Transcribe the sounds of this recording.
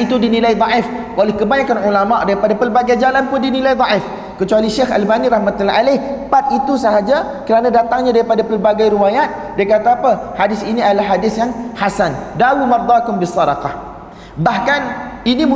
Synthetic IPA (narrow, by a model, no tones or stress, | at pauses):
it̪udinilajd̪ˤɑʔɪf | ʔolɛhkəbaɲakanʕulamaʔdaɾipadapəlbaɡajd͡ʒalanpʊndinilajd̪ˤɑʔɪf | kət͡ʃualiʃexa̰lbaniɾɑhmat̪ulalahpat̪̚it̪usaɦad͡ʒa | kəɾanãdat̪aŋɲadaɾipadapəlbaɡajɾiwajat̪̚dajkat̪aːpahadɪsiniadalahɦːadɪsjaŋhasandaumɑrd̪ˤɑkʊmbisːɑdɑqɑh | bahkanini